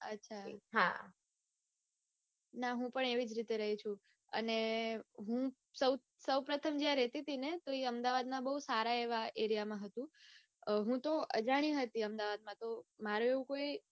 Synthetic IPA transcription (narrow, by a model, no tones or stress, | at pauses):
ə̰tːʃʰaɦa̰ | naɦũpəɳeʋid͡ʒɾit̪eɾəɦit͡ʃʰũ | ə̰neɦũ | səw | səwpɾət̪ʰəmd͡ʒjãɾɛt̪it̪ʰinet̪oeəmd̪aʋad̪mãbəɦusaɾaeʋaeɾijamãɦət̪ũ | ɦũt̪oʔə̰d͡ʒaɽ̃ĩɦət̪iəmd̪aʋad̪̚mãt̪omaɾueʋũkoi